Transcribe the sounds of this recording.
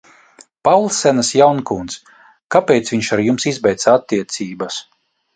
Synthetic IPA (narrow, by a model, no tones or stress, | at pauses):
pawlˠsːɛnasjawnkunt̪s | kapʲejt̪sviɲʃaɾjumsizbɛjt̪saat̪ːiɛt̪siːbas